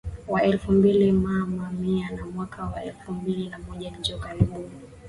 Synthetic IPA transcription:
waɛlfumbilimamamianamwakʰawaɛlfumbilinamɔʄaɲ̩d͡ʒɔkaɾiɓuni

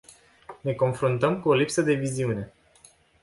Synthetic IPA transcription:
ne̞ko̞nfɾunt̪əmkuo̞lipsəd̪e̞viziune̞

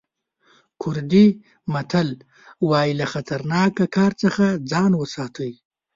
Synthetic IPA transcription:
kʰʊɾd̪i | mat̪ʰal | wɑjilaxat̪ʰaɾnɑkakɑːɾt͡səxad͡zɑnwəsɑt̪ʰəj

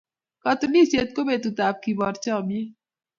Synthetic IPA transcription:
kɐt̪uniset̪̚kobeːt̪ut̪aːp̚kibɔɾt͡ʃaːme

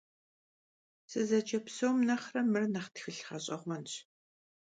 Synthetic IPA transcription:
sɨzɐt͡ʃɐpsowmnɐχrɐmɨrnɐχtxɨɬχɐɕʼɐʁʷmɐnɕ

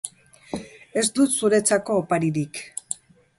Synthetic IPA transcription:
e̞sd̪ut̪suɾe̞t͡sako̞ːpaɾiɾik

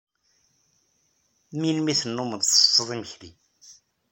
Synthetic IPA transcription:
minmiθənːuməðsə̥sːəðˤiməçli

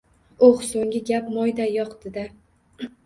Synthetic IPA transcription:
oχsoŋɡʲɪɡʲap̚mɒjd̪ajɒqd̪̥ɪd̪a

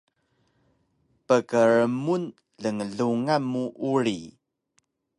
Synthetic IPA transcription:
pəkəɾəmun | ɮəŋəɮuŋamːuʔuɾi

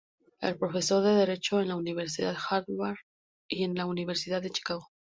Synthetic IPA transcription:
ḛlpɾo̞fe̞so̞ɾðe̞ðe̞ɾe̞t͡ʃo̞e̞nlauniβ̞e̞ɾs̬iðaðxaɾðwaɾ | ie̞nlauniβe̞ɾsiðaððe̞t͡ʃi̥kaɣo

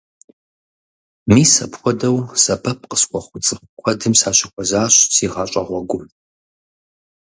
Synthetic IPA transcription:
miːsɐpxʷɔdɐwsɐbʰɐp̚qəsχʷɔχʷʊt͡sʼɨχkʷʰɔdɨmsaːɕɪxʷɔzaːɕsiːʁɑɕʷʼɐʁʷɔɡʷʊm

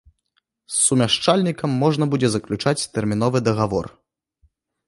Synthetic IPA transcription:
sːumʲaʂt͡ʂalʲnʲikɐmːɔʐnɐbud͡zʲɛzɐklʲut͡ʂat͡sʲt̪ɛrmʲin̪ɔvɨd̪ɐɣavɔ̰r

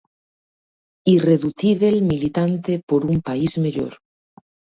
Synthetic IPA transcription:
ireðuθiβelmilit̪ant̪epoɾumpaizmeʎo̰ɾ

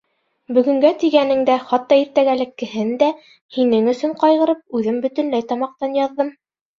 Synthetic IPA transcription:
bɵ̆ɡɵ̆ŋɡæt̪iɡænɘŋd̪æχɑt̪ːɑiɾt̪æɡælɘ̆kːɘ̆hɘnd̪æ | hinɘŋɵ̆sɵɴqɑjʁɤ̆ɾɤp̚ʉðɘmbɵ̆t̪ɵ̆nlæjt̪ɑmɑq̚t̪ɑnjɑðːɤm

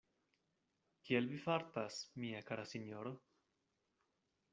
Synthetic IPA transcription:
kielvifaɾt̪asmiakaɾasinjoɾo

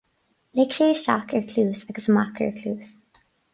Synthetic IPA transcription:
lekʃeːʃɑ̰kəɹkʰluːsaɡəsəmɑkʰə̰ɹkʰluːz̥

